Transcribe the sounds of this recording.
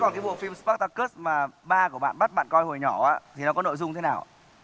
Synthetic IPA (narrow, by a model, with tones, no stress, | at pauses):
kɔ˨˩kaː˨˦jɓu˧˩əfi˧mspa˦˥t̪a˧kə˦˥smaː˨˩ɓaː˧ku˧˩əɓa̰ː˧˨nɓa˦˥t̚ɓa̰ː˧˨nkɔ˧jho˨˩jɲɔ˧˩aː˧˥t̪ʰi˨˩nɔ˨˦kɔ˨˦no̰˧˨jzʊ˧ŋ͡mt̪ʰe˨˦naː˨˩wʔa˧